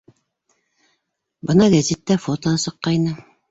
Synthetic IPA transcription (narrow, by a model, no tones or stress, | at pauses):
bɤ̆nɑɡæzʲit̪ːæfot̪osɤ̆qːɑjnɤ